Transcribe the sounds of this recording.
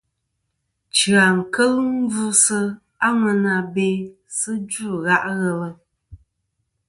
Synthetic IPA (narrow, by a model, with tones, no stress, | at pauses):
t͡ʃɰa˨ŋ̩˨kə˦lɨ˦m̩˦vu˦sɨ˦ | a˦ŋə˨na˨be˨˦ | sɨ˦d͡ʒu˦˨ɣa˦ʔɣɛ˦lə˨